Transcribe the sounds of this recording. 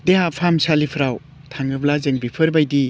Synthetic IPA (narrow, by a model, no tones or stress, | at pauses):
deɦapʰamsalipʰɾaw | tʰaŋɯblazeŋbipʰɯɾbajdi